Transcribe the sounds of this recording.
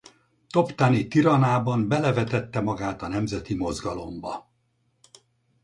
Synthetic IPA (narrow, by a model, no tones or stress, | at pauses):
t̪o̞pt̪anit̪iɾɒnaːbɒmbɛlɛvɛt̪ɛt̪ːɛmɒɡaːt̪ɒnɛmzɛt̪imo̞zɡɒlo̞mbɒ